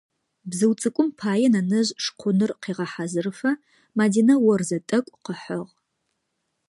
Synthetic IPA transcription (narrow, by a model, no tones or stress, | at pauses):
bzɨwt͡sʼɨkʷʼʊmpʰaːjɛnɐnɨʑʂqʷʰʊnɨrqiːʁɐħazɨrfɐ | maːdiːnɐwɔrzɐtʼɐkʷʼqəħəʁ